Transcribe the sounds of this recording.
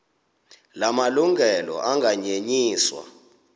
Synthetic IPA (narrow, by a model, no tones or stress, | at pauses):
lamaluŋɡʱɛlɔ̰ʔaŋɡʱaɲeɲiːswa̰